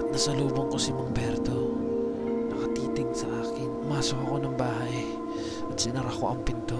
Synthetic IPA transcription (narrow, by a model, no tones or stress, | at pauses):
nɐsɐluːboŋkosɪmʊŋbɛɾt̪o | nɐkɐt̪iːt̪ɪɡsɐʔaːkɪnʊmaːsohɐko̞nɐŋbaːhaʔj | ɐd̪sɪnɐɾɐkoʔɐŋpɪnt̪o